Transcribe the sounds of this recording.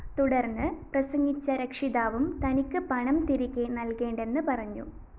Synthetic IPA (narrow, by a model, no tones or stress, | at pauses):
t̪uɽɐrnːɨprɐsɐŋɡit͡ɕːɐɾekʂiðaːʋumt̪ɐnikʲːɨpɐɳɐmt̪iɾikʲːenɐlke̞ːɳɖe̞nːɨpɐrɐɲːṵ